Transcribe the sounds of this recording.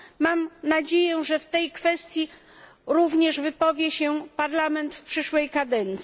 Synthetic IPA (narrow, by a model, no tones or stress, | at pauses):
mamnad͡ʑejɛʐɛft̪ɛjkfɛst̪ʲji | ɾuvɲɛʐvɘpɔvʲjɛɕɛpaɾlamɛnt̪fpʂɘʂwɛjkad̪ɛnt̪sʲi